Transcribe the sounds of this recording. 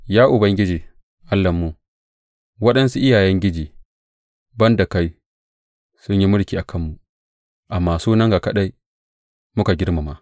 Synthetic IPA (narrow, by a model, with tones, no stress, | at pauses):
jaː˦ʔʊ˨bɐ˦ŋɡʲɪ˦d͡ʒiː˨ | ʔa˦lːɐ˨mːu˦ | wɐ˦ɗɐ˦nsu˦ʔɪ˦jaː˨jɛ˦ŋɡʲɪ˦d͡ʒiː˨ | bɐ˦nda˨ka˦j | sʊ˦ɲji˦mʊ˦ɽkʲiː˨ʔa˨kʰɐ˦mːu˨ | ʔa˨mːaː˨suː˦nɐ˦ŋɡa˨kɐ˦ɗa˦j | mʊ˦ka˨ɡʲɪ˦ɽma˨ma˦